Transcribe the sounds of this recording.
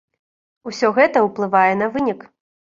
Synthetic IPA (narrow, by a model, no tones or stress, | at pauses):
usʲɔɣɛt̪ɐuplˠɨvajɛnɐvɨnʲik